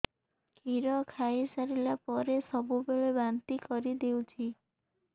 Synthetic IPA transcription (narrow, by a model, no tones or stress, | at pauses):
kiɾɔkʰajsaɾilapɔɾesɔbubeɭebant̪ikɔɾid̪ewt͡ʃʰi